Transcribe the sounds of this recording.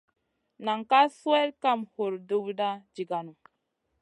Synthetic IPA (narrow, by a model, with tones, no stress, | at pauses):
na˨ŋka˦su˦e˦ɾka˦˨mho˨ɾdo˦bda˦d͡ʒi˨ɡa˨nu˨